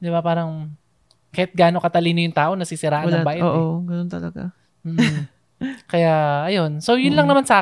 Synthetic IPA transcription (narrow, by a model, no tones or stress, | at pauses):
d̪ɪbapaːɾɐŋ | kɐhɪt̪̚ɡaːno̞kɐt̪ɐliːnojʊŋt̪aːʔo̞nɐsisɪɾaːʔɐnɐbaːʔɛoʔoɡɐnont̪ɐlɐɡa | m̩ːʔ̩ | kɐjaʔɐjo̞nso̞jʊnlɐŋnɐmansɐaː